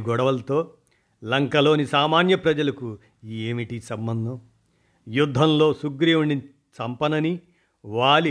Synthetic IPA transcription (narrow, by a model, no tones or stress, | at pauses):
ɡɔɽɐʋɐlɐt̪o̞ː | lɐŋkɐlo̞ːnisaːmaːnjɐpɾɐd͡ʒɐlɐku | iːeːmiʈisɐmbɐnd̪ʱɐm | jud̪ʱːɐmlo̞ːsuɡɾijuɳɖi | t͡ʃɐmpɐnɐni | ʋaːli